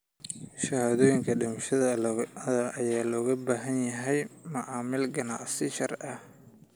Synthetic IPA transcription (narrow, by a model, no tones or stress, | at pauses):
ʃɐhaːðɔːjɪŋkʰɐɖɪmʃɐðɐðɐʔɐjaːlɔːɣɐbaːɦɐnjɐɦɛjmɐʕaːmɪlɡɐnɑ̰ʕsɪʃɐrʔɐh